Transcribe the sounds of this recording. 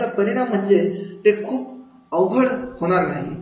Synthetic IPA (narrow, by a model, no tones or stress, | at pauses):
apəniɽam̤əɳd͡zet̪ekʰuːp̚ | əwɡʱəɽhoɽ̃aɾnaɦḭ